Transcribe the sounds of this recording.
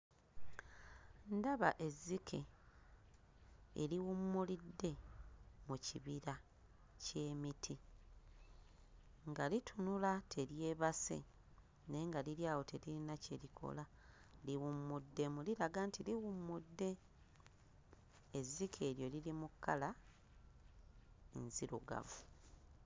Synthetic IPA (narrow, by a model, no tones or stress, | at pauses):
ndaβa̰ʔe̞zːikʰe̞̰ | ḛliwumːulidːe̞ | muciβiɾa | ce̞ːmitʰi | ŋɡalitʰunulatʰe̞ɾje̞βase̞̰ | ne̞ŋɡaliɾjaːwo̞tʰe̞liɾinacelikʰo̰la | liwumːudːe̞muliɾaɡantʰiliwumːudːe̞ | zːikʰe̞ːɾjo̞lilimukːala | ḛnziɾuɡa̰βo